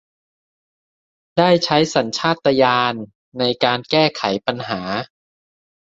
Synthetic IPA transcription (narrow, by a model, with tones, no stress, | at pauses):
daː˥˩jt͡ɕʰa˦˥jsa˩˦nt͡ɕʰaː˥˩t̪ːa˧jaː˧nː | a˧jkaː˧nkɛː˥˩kʰa˩˦jpa˧nɦaː˩˦